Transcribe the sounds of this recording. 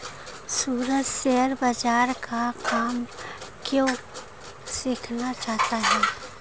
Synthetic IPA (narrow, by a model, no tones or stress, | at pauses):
suːɾəd͡ʒsɛːəɾbɐd͡ʒaːɾkakaːmkjõ | sɪkʰnat͡ʃaːɦt̪aɦɛː